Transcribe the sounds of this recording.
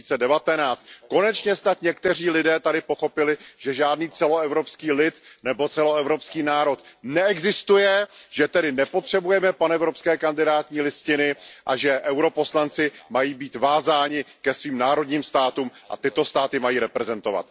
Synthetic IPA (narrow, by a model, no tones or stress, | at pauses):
it͡sɛdɛvat̪ɛnaːt͡st̪ko̞nɛt͡ʃɲɛst̪at̪ɲɛkt̪ɛr̝iːlɪdɛːt̪adɪpoxo̞pɪlɪʒ̥ɛʒaːdniːt͡sɛloɛvɾo̞pskiːlɪt̪nɛbo̞t͡sɛlo̞ɛvɾopskiːnaːɾo̞t̪nɛɛɡzɪst̪ujɛʒ̥ɛt̪ɛdɪnɛpo̞t̪r̝̥ɛbujɛmɛpanɛvɾopskɛːkandɪdaːt̪ɲiːlɪscɪnɪʔaʒɛʔɛwɾo̞po̞slant͡sɪmajiːbiːt̪vaːzaːɲɪkɛsviːmnaːɾo̞dɲiːmst̪aːt̪uːmʔa̰t̪ɪt̪o̞st̪aːt̪ɪmajiːɾɛpɾɛzɛnt̪o̞va̰t̪